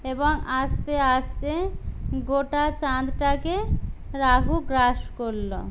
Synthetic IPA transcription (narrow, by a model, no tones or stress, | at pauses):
eboŋast̪east̪eɡoʈat͡ɕad̪ʈakeɾaɦuɡɾaʃkoɾːo̰